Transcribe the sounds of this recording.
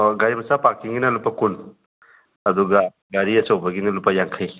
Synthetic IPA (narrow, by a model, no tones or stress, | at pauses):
ɡaɾimɐsapakːiŋɡinɐlupːɐkun | ɐduɡa | ɡaɾiɐsɔwbɐɡinɐlupːajaŋkʰaj